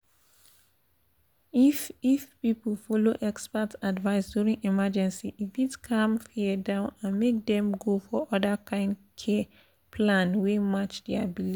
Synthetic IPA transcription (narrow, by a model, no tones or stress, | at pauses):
ififpipl̩fɔloʔɛkspatadvaɪsdjuɹĩŋimad͡ʒɛ̃nsiʔifitkʰãmfiədãʊ̃nãnmek̚dɛ̃mɡofɔɔdəkʰãɪ̃nd | kʰɛ | pʰlãnwemat͡ʃdɛabili